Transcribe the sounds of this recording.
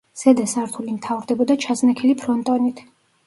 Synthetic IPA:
z̥ɛd̪asaɾt̪ʰulimt̪ʰavɾd̪ɛbɔd̪at͡ʃʰaznakʰɛlipʰɾɔnt̪ʼɔnit̪ʰ

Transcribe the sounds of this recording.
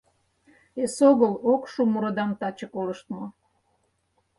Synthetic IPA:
esoɣəlokʃumuɾod̪ɑmt̪ɑt͡ɕəkoləʃt̪mo

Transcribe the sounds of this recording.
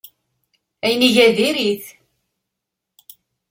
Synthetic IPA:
æjəniʝæðiɾiθ

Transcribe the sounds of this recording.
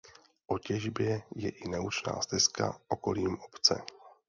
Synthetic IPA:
ʔocɛʒbjɛjɛʔɪnɛut͡ʃna̰ːst̪ɪska̰oko̞liːmopt͡sɛ̰

